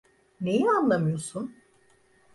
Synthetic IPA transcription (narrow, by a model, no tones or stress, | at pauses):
ne̞jianlˠamɯjo̞sun